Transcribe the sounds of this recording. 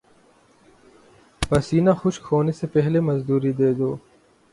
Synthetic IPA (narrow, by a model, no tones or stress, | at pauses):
pɐsiːnaxʊʃkʰoːnesepɛɦlemɐzd̪uːɾid̪eːd̪oː